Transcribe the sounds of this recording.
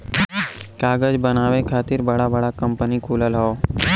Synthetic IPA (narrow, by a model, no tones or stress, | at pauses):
kaːɡəd͡ʒbənaːʋekʰaːt̪ɪɾbɐɽabɐɽakɐ̃mpənikʰuːləlɦoː